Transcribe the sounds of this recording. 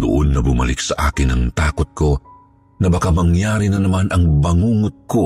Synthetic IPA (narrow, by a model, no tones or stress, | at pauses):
d̪ʊ̰ʔonːɐbʊmɐ̰lɪk̚sɐʔa̰ːkɪnɐŋt̪aːkʊt̪̚ko̞ | nɐbɐkamɐŋjaːɾinɐnɐmanʔɐŋbɐŋuːŋʊt̪̚ko